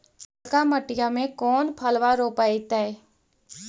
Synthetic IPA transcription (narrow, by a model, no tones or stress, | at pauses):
kaməʈɪjamẽkɔːnpʰəlʋaɾoːpaːit̪ɛɛ